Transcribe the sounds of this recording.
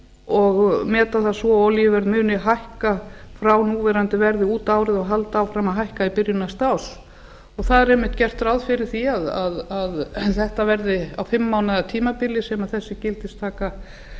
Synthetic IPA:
ɔɣmɛːt̪aθasvɔɔljivɛɾðmʏːnɪɦajhkafɾawnuːvɛɾant̪ɪvɛɾðɪuːt̪aːwɾɪðɔɣɦalt̪aːwfɾamaðɦajhkaipɪɾjʏnast̪aws | ɔɣθaðɛɾɛmɪht̪cɛr̥t̪ɾawðfɪɾɪɾ̥θiaðaðaðθɛht̪avɛɾðɪawfɪmːaːwnaðat̪ʰiːmapɪlːɪsɛmaðθɛsːɪcɪlt̪ɪst̪ʰaːka

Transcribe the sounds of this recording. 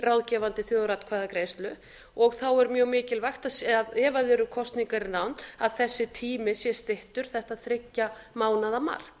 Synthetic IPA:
rawðcɛvant̪ɪθjoːðɾat̪kʰvaːðakɾejst̪lʏ | ɔɣθawɛɾmjœːwmɪːcɪlvajxt̪asaðɛːvaðɛɾʏkʰɔst̪niŋkaɾɪnawnaðθɛsːɪt̪ʰiːmɪsjɛ̥st̪ɪht̪ʏɾ̥θɛht̪aðθɾɪcːamaːwnaðama̰ːɾ̥

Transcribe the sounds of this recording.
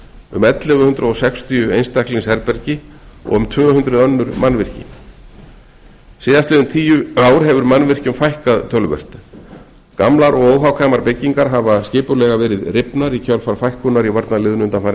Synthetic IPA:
ʏ̰mɛt̪lɛɣʏhʏnt̪ɾaɔsɛkst̪ʰiʏejnst̪ahklɪnsɛɾpɛɾcɪɔ̰ɣʏmt̪ʰvœːhʏnt̪ɾʏðœnːʏɾmanvɪr̥cɪ̰n | sɪːðast̪lɪðʏmt̪ʰiːjʏaːwɾ̥ɦɛvʏɾmanːvɪr̥cʏmfajhkaðt̪ʰœlvœ̰r̥t̪ | kamlaɾɔɣoːwɦawkʰaːjmaɾpɪcːiŋkaɾ̥ɦavascɪːpʏlɛɣavɛːɾɪðrɪpnaɾicʰœlfaɾ̥fajhkʏnaɾivaɾt̪nalɪðnʏnt̪anfaɾɪ

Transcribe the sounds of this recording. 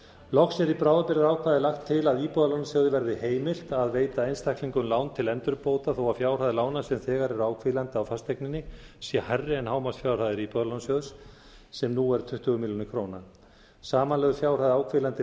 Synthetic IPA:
lɔxsjɛɾipɾaːwðapɪɾðaɾaːwkʰvaðɪlaxt̪ʰːɪlaðiːpɔðalɔwnasjœːɣðɪvɛɾðɪheːjmɪl̥t̪aðveːjt̪aejnst̪ʰahkliŋkʏnlaːwnt̪ʰɪlɛnt̪ʏɾpoːwt̪aθowaðfjaːwr̥aðɪlaːwnasɛmθɛːɣaɾɛɾaːwkʰvɪlant̪ɪawfast̪ʰejknɪnːɪsjɛharːɪɛnhaːwmast̪fjaːwr̥aðɪɾiːpɔðalɔnasjœðʏs | sɛmnuɛɾ̥t̪ʰʏht̪ʏɣʏmiljonɪkʰɾoːwna | saːmanlɛɣðʏfjawr̥aðɪaːwkʰvɪlant̪ɪ

